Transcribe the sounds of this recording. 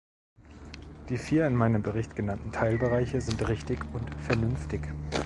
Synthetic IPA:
d̥iːfiːɐɪnmaɪnəmbəʁɪçtɡ̥ənantn̩tʰaɪlbəʁaɪçəzɪntʁɪçtɪçʊntfɛɐnʏnftɪç

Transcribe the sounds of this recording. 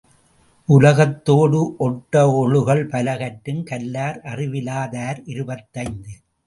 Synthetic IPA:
ʔʊlɐɣɐt̪ːoːɽɯʔɔʈːɐɔɭɯɣɐɭpɐlɐɣɐʈːɯmkɐlːaːɾʔɐrɪʋɪlaːðaːɾɪɾɯbɐt̪ːɐɪnd̪ɯ

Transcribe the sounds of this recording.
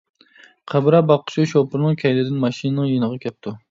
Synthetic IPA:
qʰæbɾɑbɑqʰːʊ̥t͡ʃʰʃopɨɾnɨŋkʲʰɛjd̪ɪd̪ɪnmɑʃinɨnɨŋjenəʁɑkʲʰɛp̚t̪ʰu

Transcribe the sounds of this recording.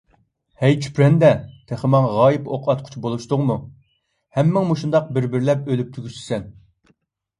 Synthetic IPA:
hæjt͡ʃʰpɾɛnd̪ɛt̪ʰæχɪmɑŋʁɑːjipoqʰɑt̪̚qʰʊ̥t͡ʃʰbolˠuʃt̪ʊʁmu | hɛmːɪŋmuʃund̪ɑq̚bɪɾbɪɾlɛp̚ølyp̚t̪ʰyɡʲysɪ̥sɛn

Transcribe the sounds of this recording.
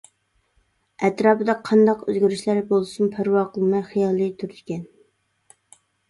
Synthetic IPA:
ɛt̪ɾɑːpɨd̪ɑqʰːɑnd̪ɑqø̰zɡʲyɾyʃlæɾbolˠɨsumpʰæɾwɑqʰəlˠmɑjχijɑːlˠɨjt̪ʰyɾd̪ʰɪkʲɛn

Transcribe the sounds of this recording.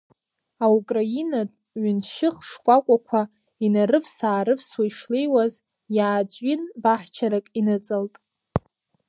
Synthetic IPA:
aukʼrainatʼ | ɥʏnʃɪχʂkʷʼakʷʼakʷʰa | inaɾɨvsaːɾɨvswaiʂlejwaz | jaːd͡zʷʼɥinbaħt͡ʃʰaɾakʼinɨt͡sʼɨltʼ

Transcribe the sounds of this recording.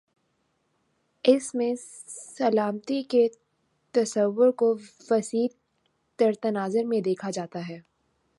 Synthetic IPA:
ɪsmẽ | sɐlaːmt̪ike | t̪ɐsəʋːʊɾko | ʋɐsiːd̪ | t̪ɐɾt̪ɐnaːzəɾmẽd̪eːkʰad͡ʒaːt̪aɦɛː

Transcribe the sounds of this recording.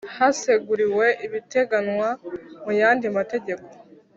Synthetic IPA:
hase̞ɡuɾiwe̞ʔiβite̞ɡanŋwamujaːndimate̞ɟe̞ko̞̥

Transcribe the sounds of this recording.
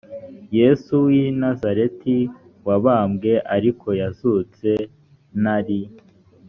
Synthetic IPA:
je̞ːsuwinazaɾe̞ti | waβaːmɡe̞ʔaɾikʰo̞jazut͡se̞ | naɾi

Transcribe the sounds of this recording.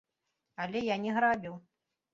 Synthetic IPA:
alʲɛjanʲɛɣɾabʲiw

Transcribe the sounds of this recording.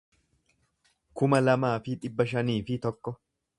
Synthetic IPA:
kʊmɐlɐmaːfɪᶑ̪ɪbːɐʃ̬ɐniːfɪt̪ɔkːɔ

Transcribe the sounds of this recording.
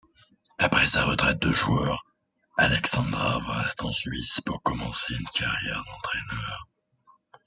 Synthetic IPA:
apχɛsaʁət̪χɛt̪̚d̪əʒuœʁ | alɛksɑ̃d̪ʁavɛst̪ɑ̃sɥispuʁkɔmɑ̃seynkaʁjɛʁd̪ɑ̃t̪χɛnœːʁ

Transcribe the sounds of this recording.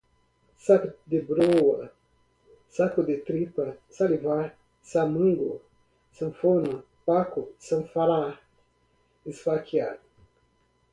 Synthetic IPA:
sakd̪ebɾowɐ | sakud̪et̪ɾipɐsaliva | samɨŋɡo̰ | sɨnfona | pakusɐnfaɾa | isfakia̰l

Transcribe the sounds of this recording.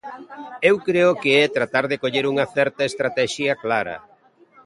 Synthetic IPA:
ewkɾeʊkeɛt̪ɾat̪aɾðɪkoʎeɾuŋɐθɛɾt̪ɐest̪ɾat̪ɛʃjɐklaɾɐ̰

